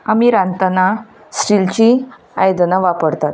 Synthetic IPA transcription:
amiːɾant̪ana | sɾilt͡ɕi | a̰jd̪naʋapəɽt̪at̪

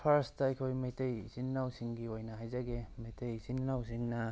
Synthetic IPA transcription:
pʰaɾɐstɐːjkʰojmejtejz̥inːawsiŋɡiojnɐɦajzɐɡemejtʰejzinnawsiŋnɐ

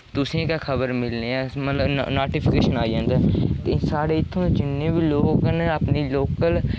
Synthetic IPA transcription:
t̪ʊsẽːkaːkʰəbəɾmɪlneːɛːmət̪ləbnoːʈiːpʰɪkeːʃənaːid͡ʒãːnd̪ɛːt̪esaːɽeːɪt̪ʰːõːet͡ʃɪnːẽːbiːloːkneəpniːloːkəl

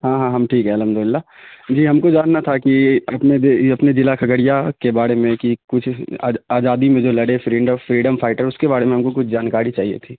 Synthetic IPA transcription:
ɦãːɦãːɦɐmʈʰiːkɦɛɐlɦɐmd̪ʊlɪlːad͡ʒiːɦɐmkod͡ʒaːnːat̪ʰakiɐpned̪ɐpned͡ʒɪlakʰɐɡəɽijakebaːɾemẽkikʊt͡ʃʰːaːzaːd̪imẽd͡ʒoːlɐɽefɾiːɖəfɾiːɖəmfʰaːɪʈəɾʊskebaːɾemẽɦɐmkokʊt͡ʃʰd͡ʒaːnkaːɾit͡ʃaːɦiḛt̪ʰiː

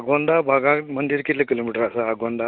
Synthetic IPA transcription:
ɡoɳɖ̪abʱaɡãmənd̪iɾkit̪lekilomiʈəɾasaːɡoɳɖ̪a

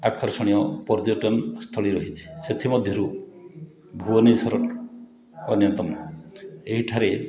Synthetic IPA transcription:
akʰɔɾsɔɽ̃ijɔpɔɾd͡ʒoʈɔnst̪ʰɔɭiɾɔɦit͡ʃʰi̥set̪ʰimɔd̪ʱjɔɾu | bʱuɔnisɔɾɔ | ɔnjɔnt̪ɔm | eɦiʈʰaɾe

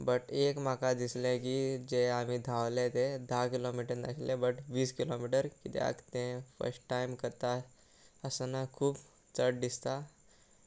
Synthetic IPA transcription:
bəʈekmakad̪islẽkid͡ʒeam̤id̪ʱawlet̪ed̪ʱakilomiʈəɾna̰klẽbəʈʋiːskilomiʈəɾkit̪ḛa̰kt̪ẽfə̰ɾsʈːajmkəɾt̪a | əsənakʰuːb | t͡səʈ̚d̪ist̪a

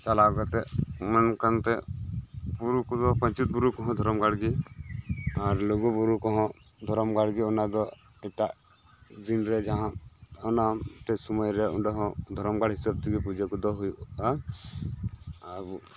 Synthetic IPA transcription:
t͡ʃalaɡɔt̪ɛmankant̪ɛ | buɾukud̪ɔpãɲt͡ʃut̪̚buɾukɔɦɔ̃d̪ʱɔɾɔmɡaɽɡi | aɾloɡubuɾukɔɦɔ̃ | d̪ʱɔɾɔmɡaɽɡiɔnad̪ɔ | ɛkʈa | d̪inɾɛd͡ʒaɦãɔnaʈ̪ɛsumɔjɾɛuɖɔɦɔ̃d̪ʱɔɾɔmɡaɽɦisab̚t̪ʰikipud͡ʒekud̪ɔɦuja | abu

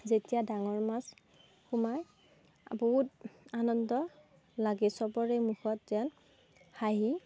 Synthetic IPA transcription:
zetijadaŋɔɹmas | xumaj | boɦutanɔndɔ | laɡɛsɔpɔɹɛmuxɔtzan | xaɦi

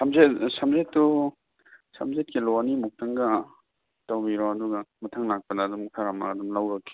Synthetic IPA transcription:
samzetsamzetːu | sa̰mzet̚kilɔnimuk̚tɐŋɡɐ | tawbiɾɔɐduɡɐmɐtʰaŋlak̚pɐdaːdumkʰaɾamaːdumlawɾɐkːi̥

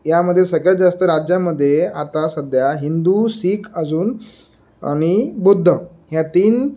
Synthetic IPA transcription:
jaməd̪ʱːjesəɡɭjad͡zast̪əɾad͡ʑjaməd̪ʱːjeat̪asəd̪ʱjaɦind̪usiːkʰəd͡zuːn | a̰ɽ̃ibud̪ʱːə | ɦjat̪iːn

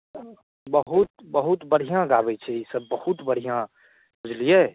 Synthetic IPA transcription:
bəɦʊt̪bəɦut̪bəɽ̤ijãɡaːbet͡ʃʰeisɐbːəhut̪bəɽ̤ijã | kʊd͡ʒlie

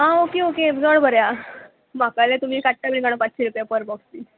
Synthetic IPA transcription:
ɦãokeoked͡zəɳbʱəɾja | makalet̪um̤iːkaʈʈamənikaɽ̃opat͡sɕeɾupjapəɾbɔɡst̪iː

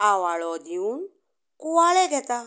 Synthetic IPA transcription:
awaɭɔd̪iun | kuwaɭɛɡɛt̪a

